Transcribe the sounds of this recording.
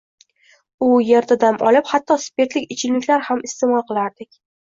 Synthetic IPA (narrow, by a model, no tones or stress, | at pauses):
ʊjeɾt̪ʰad̪amʔɒlɪphat̪ːɒspʲe̞ɾt̪lɪkʲɪt͡ʃʰɪllɪkʲlaɾhamɪst̪e̞mɒlˠqɨlˠaɾd̪ɪkʲ